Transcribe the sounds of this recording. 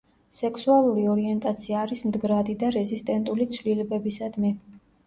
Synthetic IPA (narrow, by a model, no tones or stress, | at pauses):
sɛkʰsualˠuɾiɔɾiɛnt̪ʼat̪sʰiaːɾismd̪ɡɾad̪id̪aɾɛzist̪ʼɛnt̪ʼulit̪sʰvlilɛbɛbisad̪mɛ